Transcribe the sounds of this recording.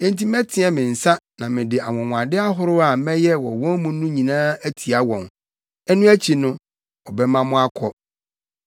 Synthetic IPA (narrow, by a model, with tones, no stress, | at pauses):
ɛ̃˦n˦ti˦mɛ̃˦tʰɪ̃˦ɛ˦mɪ̃˨n̩˨sa˦ | nã˨mɪ̃˨dɪ˨a˨wɔ̃˨ŋʷ˨ã˨dɪ˦a˦ɦʊ˦ɾʊ˦a˨mɛ̃˦jɛ˦wɔ̰˨wɔ̃˦nmũ˦nʊ̃˦ɲĩ˨nã˦æ˦tʰi˨a˦wɔ̃˨n | ɛ˦nʊ̃˦æ˦t͡ɕʰi˨nʊ̃˦ | ɔ˨bɛ˦mã˦mʊ̃˦a˦kʰɔ˦